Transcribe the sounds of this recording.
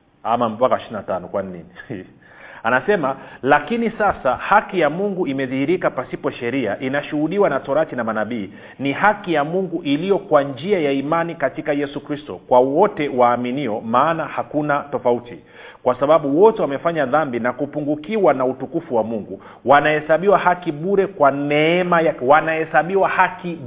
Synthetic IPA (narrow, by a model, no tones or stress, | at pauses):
amam̩pakaʃinatanɔkwaninḭni | anasɛmalakinisasahakijamuŋɡuimɛðihiɾikapasipɔʃɛɾiaʔinaʃuhuɗiwanatɔɾatinamanaɓiː | nihakijamuŋɡuʔilijɔkwand͡ʒiajaimanikatikajɛsukɾistɔkwawɔtɛwaːminiɔmaːnahakunatɔfauti | kwasaɓaɓuwɔtɛwamɛfaɲaðambinakupuŋɡukiwanautukufuwamuŋɡu | wanahɛsaɓiwahakiɓuɾɛkwanɛɛmajawanahɛsaɓiwahaki